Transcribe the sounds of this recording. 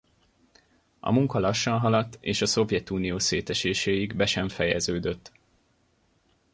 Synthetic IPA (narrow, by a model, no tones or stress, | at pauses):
ɒ̰muŋkɒlɒʃːɒnɦɒlɒt̪ːeːʃɒso̞vjɛt̪uːnijoːseːt̪ɛʃeːʃeːjiɡbɛʃɛɱfɛjɛ̰zøːd̪øt̪ː